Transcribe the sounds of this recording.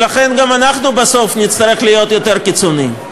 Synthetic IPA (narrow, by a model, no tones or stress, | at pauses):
laχe̞nɡamanaχnubaso̞fnit̪t͡st̪ɐɾe̞χlijo̞t̪jo̞t̪e̞ʁkit͡soni